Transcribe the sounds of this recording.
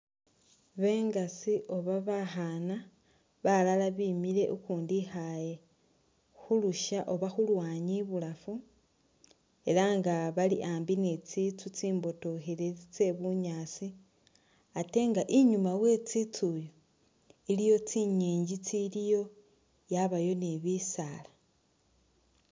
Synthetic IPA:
βe̞ːŋɡasiʔo̞βaβaxana | βalalaβimiɾe̞ʔukuːndixaje̞ | xuluʃaʔo̞βaxulwaːɲiβulafu | e̞laŋɡaβaliʔaːmbinet͡sit͡sut͡siːmbo̞to̞xilet͡se̞βuɲaːt͡si | ate̞ŋɡaʔiɲumawe̞t͡sit͡sujo | ilijo̞t͡siɲiːɲɟit͡silijo̞ | jaβajo̞niβisala

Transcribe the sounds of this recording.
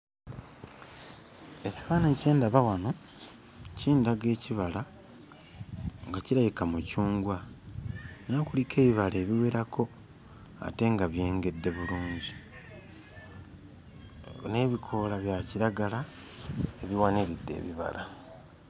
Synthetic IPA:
e̞ci̥faːnace̞ːndaβawano | ciːndaɡe̞ːciβala | ŋɡaciɾajikamucuːŋɡwa | nakulike̞ːβiβale̞ːβiwe̞ɾakʰo̞ | a̰te̞ŋɡaβje̞ːŋɡe̞dːe̞βuluːɲɟi | ne̞ːβikʰo̞laβjaciɾaɡala | e̞βiwaniɾidːe̞̰ːβiβa̰la

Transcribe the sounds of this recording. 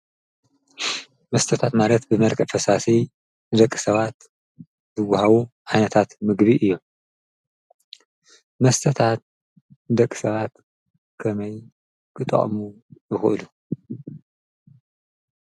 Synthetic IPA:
mɐst̪ʰɐt̪ʰat̪malɐt̪bɨmɐlkʼɐfɐsasi | nɨd̪ɐkʼːɨ̥sɐβat̪ | zɨɡahaβuʕajnɐt̪ʰat̪mɨɡβiʔɨjːo̞m | mɐst̪ʰɐt̪ʰat̪̚ | ɨd̪ɐkʼːɨ̥sɐβat̪ | kʰɐmɐj | kʰɨt̪ʼɐ̰χʼmujɨxɨʔɨlu

